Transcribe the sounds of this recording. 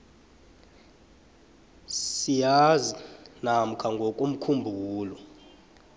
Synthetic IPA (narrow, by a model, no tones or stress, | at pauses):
sijazinam̩kʰaŋɡʱokʼum̩kʰumbʱuːlɔ